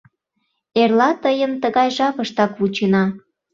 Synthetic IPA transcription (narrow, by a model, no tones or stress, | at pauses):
erlɑt̪əjənt̪əɣɑjʒɑpəʃt̪ɑkβut͡ɕenɑ